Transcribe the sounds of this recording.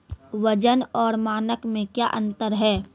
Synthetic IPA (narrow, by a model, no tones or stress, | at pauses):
ʋəd͡ʒənɔːɾmaːnəkmẽkja̰ːʔə̃nt̪əɾɦɛː